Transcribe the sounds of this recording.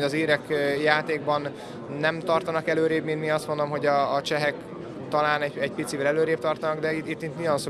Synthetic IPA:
ɒziːɾɛkjaːt̪eːɡ̚bɒnː | ɛmt̪ɒrt̪ɒnɒkɛløːɾeːbmint̪miɒst̪mo̞nd̪o̞mɦo̞ɟɒːt͡ʃɛɦɛk | t̪ɒlaːnɛɟɛɟpit̪sivɛlɛløːɾeːp̚t̪ɒrt̪ɒnɒɡd̪ɛit̪it̪ːit̪nijɒnso

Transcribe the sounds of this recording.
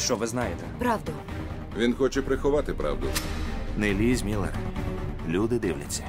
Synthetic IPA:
ʃt͡ʃɔʋɪznɑjet̪ɛpɾɑwd̪ʊ | ʋʲinxɔt͡ʃɛpɾɪxɔʋɑt̪ɪpɾɑ̰wd̪ʊnelʲizʲmʲilˠɛ̰rlʲud̪ɪd̪ɪwlʲɐt͡sʲːɐ̥

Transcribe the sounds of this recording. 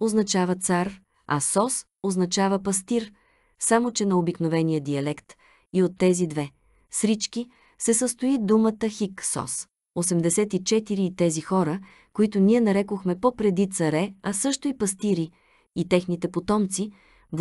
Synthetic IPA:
oznɐt͡ʃavət̪saɾ | ɐ̰sɔs | oznɐt͡ʃavəpɐst̪iɾ | samot͡ʃɛnɐobiknovɛnijəd̪iɐlɛkt̪ | iot̪ːɛzid̪vɛ | sɾit͡ʃki | sɛsəst̪ʊid̪umət̪əxiksɔ̰s | osɛmd̪ɛsɛt̪it͡ʃɛt̪iɾiːt̪ɛzixɔɾə | koit̪ʊniɛnɐɾɛkoxmɛpopɾɛd̪it̪sɐɾɛɐsɤʃt̪ʊipɐst̪iɾiː | t̪ɛxnit̪ɛpot̪ɔmt̪si | v

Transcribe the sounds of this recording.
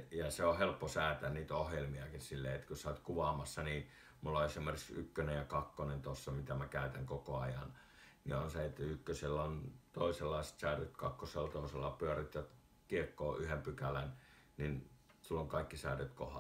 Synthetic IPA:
jɑseohelpːosæːt̪ænniːt̪ohjelmiɑkinsilːḛːet̪køsɑˑit̪kuʋɑːmɑsːɑniː | mulːɑesimerikssy̰kːønejɑkɑkːonent̪osːɑmit̪æmækæˑyt̪æŋkokoɑjɑ̰n | nḭonseet̪ːykːøselːæont̪oˑiselːɑˑiset̪sæːrøt̪kɑ̰kːoselt̪oˑiselːɑpyærit̪jɑt̪ | kiekːoːʔyhempykælæn | ninsulːoŋkɑikːisæ̰ːrøt̪ko̰hɑ̰

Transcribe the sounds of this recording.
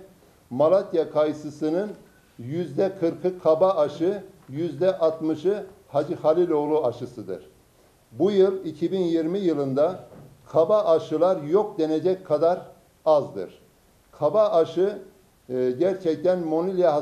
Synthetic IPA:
malˠat̪jakʰajɯsɯsɯnɯn | jyzd̪ɛkʰɯɾkʰɯkʰabaʔaʃɯjyzd̪ɛʔat̪mɯʃɯ | had͡ʒɯhalʲilʲo̞lˠuaʃɯsɯd̪ɯ̰ɾ̥ | bujɯlˠicʰibinjiɾmijɯlˠɯnd̪akʰabaʔːʃɯlˠaɾjo̞k̚d̪ened͡ʒɛc̚kʰad̪aɾ | azd̪ɯ̰ɾ̥ | kʰabaʔaʃɯ | ɟæɾt͡ʃʰɛc̚t̪ʰænmo̞nʲilʲijaɦ

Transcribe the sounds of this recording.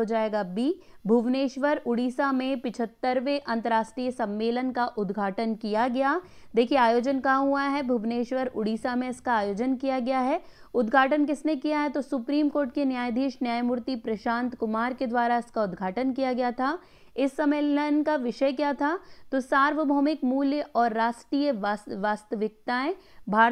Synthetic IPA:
od͡ʒaːeːɡabibʱuʋneːʃʋəɾʊɽiːsamẽpɪt͡ʃʰət̪ːəɾʋeʔɐ̃nt̪əɾaːʃʈɾiːjəsɐ̃mːeːlənkaʔʊd̪ɡʱaːʈənkijaɡɐjaː | d̪eːkʰieaːjoːd͡ʒənkaɦuaɦɛbʱuʋneːʃʋəɾʊɽiːsamẽɪskaaːjoːd͡ʒənkijaɡɐjaɦɛ | ʊd̪ɡʱaːʈənkɪsnekijaɦɛt̪osʊpɾiːmkoːɾʈ̚kenjaːjd̪ʱiːʃnjaːjmʊɾt̪ipɾɐʃãːnt̪kʊmaːɾked̪ʋaːɾaɪskaʊd̪ɡʱaːʈənkijaɡɐjat̪ʰaː | ɪsːɐmeːlənkaʋɪʃəkjat̪ʰat̪osaːɾʋəbʱɔːmɪkmuːljəʔɔːɾːaːsʈɾiːjəʋasʋaːst̪əʋɪk̚t̪aɛ̃bʱaː

